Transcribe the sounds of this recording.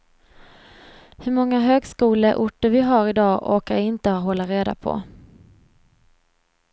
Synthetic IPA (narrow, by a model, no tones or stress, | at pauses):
hɵɾmɔŋːaɦøːɡskuːləʔʊʈːəɾvɪɦaɾɪd̪ɑːʔoːkajaɪnt̪əhɦɔlːaɾeːd̪a̰pʰɔ̰